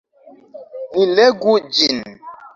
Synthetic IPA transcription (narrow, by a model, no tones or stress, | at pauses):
nilɛɡud͡ʒin